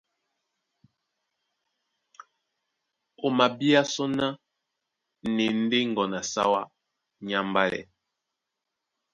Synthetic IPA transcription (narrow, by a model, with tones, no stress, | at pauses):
o˨ma˨bi˦a˦sɔ˦na˦ | nɛ˨n̩˦de˦ŋ˨ɡɔ˨na˨sa̰˦wa˦ | ɲa˦mba˦lɛ̰˨